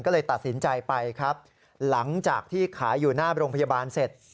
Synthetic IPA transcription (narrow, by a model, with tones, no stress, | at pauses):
nkɔː˥˩lɤː˧jt̪a˨˩t̪̚si˩˦nt͡ɕa˧jpa˧jkʰɾa˦˥p̚ | la˩˦ŋt͡ɕaː˨˩k̚t̪ʰiː˥˩kʰaː˩˦juː˨˩naː˥˩ɾoː˧ŋpʰa˧jaː˧baː˧nse˨˩t̪̚